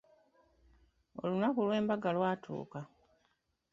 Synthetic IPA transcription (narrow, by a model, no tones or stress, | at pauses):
o̞̰lunakulwe̞ːmbaɡalwaːtʰṵːka